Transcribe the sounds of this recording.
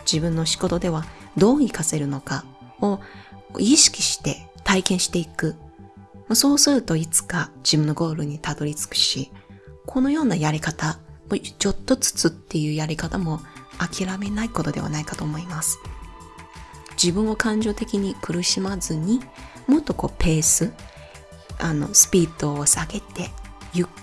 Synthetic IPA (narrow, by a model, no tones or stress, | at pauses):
d͡ʑibɯ̟̃nːo̞ɕi̥ko̞t̪o̞d̪e̞β̞ad̪o̞ːikase̞ɾɯ̟no̞kao̞̰ | iɕi̥kʲi̥ɕi̥t̪e̞ | t̪aikẽ̞ɰ̃ɕi̥t̪e̞ikɯ̟ | moso̞ːsɨɾɯ̟t̪o̞it͡sɨ̥kad͡ʑibɯ̟̃nːo̞ɡo̞ːɾɯ̟ɲ̟it̪ad̪o̞ɾʲit͡sɨ̥kɯ̟̥ɕikʰo̞no̞jo̞ːnajaɾʲikat̪amot͡ɕo̞t̪ːo̞t͡sɨ̥t͡sɨt̪ːe̞jɯ̟ːjaɾʲikat̪amo̞akʲʰiɾame̞naiko̞t̪o̞d̪e̞β̞a̰naikat̪o̞ːmo̞imasɨ̥ | d͡ʑibɯ̟̃ɰ̃o̞kãɲ̟d͡ʑo̞ːt̪e̞kʲiɲ̟ikɯ̟ɾɯ̟ɕimazɨɲ̟imo̞t̪ːo̞ko̞̰ːpʰe̞ːsɨ | ano̞̰sɨ̥pʲiːd̪oːsaɡe̞t̪e̞jɯ̟